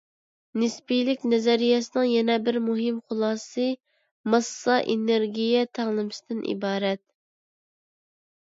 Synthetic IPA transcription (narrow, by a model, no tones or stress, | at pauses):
nɪspijlɪkʲnɛzɛɾijɛsɨnɨŋjɛnɛbɪɾmuɦɪmχʊlˠɑːsɨ | mɑsːɑʔeneɾɡʲijɛt̪ʰɛŋlˠɨmɨsɪd̪ɪnʔḭbɑːɾɛt̪̚